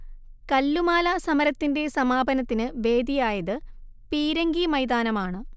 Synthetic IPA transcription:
kɐlːumaːlɐsɐmɐɾɐt̪ːinde̞sɐmaːbʱɐnɐt̪ːinɨʋe̞ːd̪ijaːjɐðɨ | piːɾɐŋɡimɐjd̪aːnɐmaːɳɨ

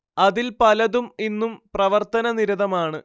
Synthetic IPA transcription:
ɐðilpɐlɐðuminːumprɐʋɐrt̪ɐnɐniɾuðɐmaːɳɨ

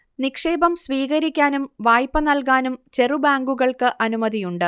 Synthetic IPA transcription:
nikʂe̞ːbɐmsʋiːɣɐɾikʲːaːnumʋaːjpːɐnɐlkaːnumt͡ɕe̞rubaːŋɡuɣɐɭkɨʔɐnumɐðijuɳɖɨ

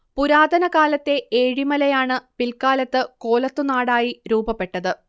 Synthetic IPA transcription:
puɾaːd̪ʱɐnɐkaːlɐt̪ːe̞eːɻimɐlɐjaːɳɨpilkaːlɐt̪ːɨko̞ːlɐt̪ːunaːɽaːjiɾuːbɐpːe̞ʈːɐðɨ

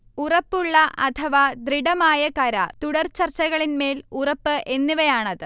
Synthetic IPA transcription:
urɐpːuɭːɐʔɐt̪ʰɐʋad̪riɽɐmaːjɐkɐɾɐ̰t̪uɽɐrt͡ɕɐrt͡ɕːɐɣɐɭinme̞ːlurɐpːɨʔe̞nːuʋɐjaːɳɐðɨ

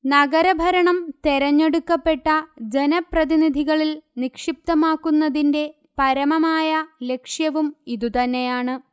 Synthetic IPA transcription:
nɐɡɐɾɐbʱɐɾɐɳɐmt̪eɾɐɲːe̞ɽukːɐpːe̞ʈːɐd͡ʑe̞nɐprɐðinid̪ʱiɣɐɭilnikʂip̚t̪ɐmaːkːunːɐðinde̞ | pɐɾɐmɐmaːjɐle̞kʂjɐʋumiðut̪ɐnːe̞jaːɳɨ

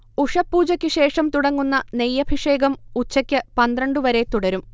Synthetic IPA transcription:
uʂɐpːuːd͡ʑɐkʲːɨɕe̞ːʂɐmt̪uɽɐŋːunːɐnejːɐbʱiʂe̞ːɡɐmut͡ɕːɐkʲːɨpɐnd̪rɐɳɖɨʋɐɾe̞t̪uɽɐɾum

